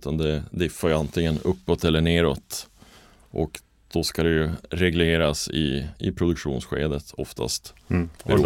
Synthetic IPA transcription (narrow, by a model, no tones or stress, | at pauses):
t̪ʰand̪ɛd̪ɪfːajəant̪ʰɪŋːənɵpːɔt̪ɛlːəɳeːɾot̪ | ʔɔ̰k | d̪̥ɔskad̪ɛjɵɾɛɡleːɾasɪ̰ɪpʰɾʊd̪ɵkʂṵːnsɧḛːd̪ət̪ʰɔft̪ʰa̰st̪ɾu